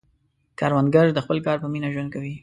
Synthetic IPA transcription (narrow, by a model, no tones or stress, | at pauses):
kɑɾwand̪ɡaɾd̪əxpəlkɑɾpəminaʒwand̪̚kawi